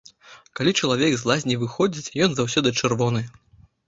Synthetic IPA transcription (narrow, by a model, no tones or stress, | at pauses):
kalʲit͡ʂɐlˠavʲɛɡzlˠazʲnʲivɨxɔd͡zʲit͡sʲjɔnzawsʲɔd̪ɨt͡ʂɨrvɔnɨ